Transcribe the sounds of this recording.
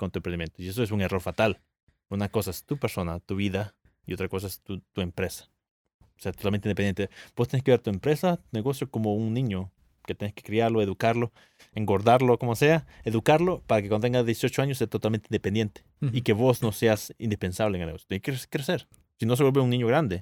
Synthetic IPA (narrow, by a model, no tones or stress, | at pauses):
kont̪uempɾend̪imjent̪oies̬oesuŋero̞ɾfat̪al | unako̞saest̪upeɾso̞nat̪uβiða | io̞t̪ɾako̞s̬aest̪ut̪ue̞mpɾesḁ | seat̪ot̪almẽninpend̪ent̪eb̥ost̪eneskeeɾt̪uempɾe̞sat̪une̞ɣo̞sjokomouŋnĩɲo | ket̪eneske̥kɾiaɾloe̞ðukaɾlo | eŋɡo̞ɾðaɾlokomoseaeðukaɾlopaɾakekwand̪ot̪eŋɡaðjesjot͡ʃoaɲose̞at̪ot̪alment̪eind̪epend̪jent̪e̥ikeβo̞snose̞asḭnd̪ispe̞nsaβleeŋelneosjo̥t̪eŋkeɾskɾeseɾ | sino̞s̬ewelβeuŋnĩɲoɣɾand̪e